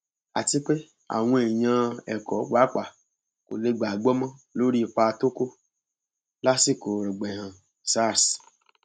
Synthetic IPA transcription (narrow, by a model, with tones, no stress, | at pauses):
a̰˨ti˧k͡pe˦ | a̰˨w̃ɔ̃˧e˨j̃ã˧ɛ˨kɔ˨˦ɡ͡ba˨˦k͡pa˨ | ko̰˨le˧ɡ͡ba˨ɡ͡bɔ˦mã˦lo˦ɾi˦˧˨k͡pa˧to˦ko˦ | la˦si˦˨ko˨ɾi˨ɡ͡bɛ̃˨hã˨ | sa˦˨s